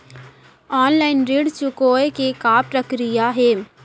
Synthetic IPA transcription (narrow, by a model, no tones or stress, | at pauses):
ɔːnlaːɪnɾeːɖt͡ʃʊkoːekekaːpɾəkɾijaɦɛː